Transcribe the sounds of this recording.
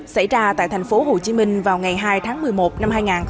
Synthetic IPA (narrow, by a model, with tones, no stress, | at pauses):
sa̰˧˩jzaː˧t̪a̰ː˧˨jt̪ʰŋ̟fo˨˦ho˨˩t͡ɕi˨˦mï˧ŋ̟vaː˨˩wŋa˨˩jɦaː˧jt̪ʰaː˨˦ŋmɨ˨˩əjmo˨˩t̚na˧mɦaː˧jŋaː˨˩n